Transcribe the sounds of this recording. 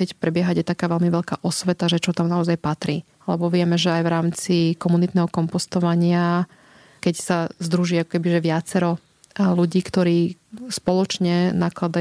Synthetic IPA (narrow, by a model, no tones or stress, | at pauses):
ɪɛcpɾɛbɪɛɦaɟaɛt̪akaːʋɛlmiʋɛʎka̰ːʔɔsʋɛt̪aʒɛt͡ʃɔt̪amnaɔzajpat̪ɾiː | alɛbɔʋɪɛmɛʒɛajʋɾaːmt͡sikɔmunit̪nɛɦɔkɔmpɔst̪ɔʋaɲɪa | kɛcsazd̪ɾuʒiːakɔ̥kɛbiʒɛʋɪat͡sɛɾɔ | luɟiːkt̪ɔɾiːspɔlɔt͡ʃɲɛnaklad̪a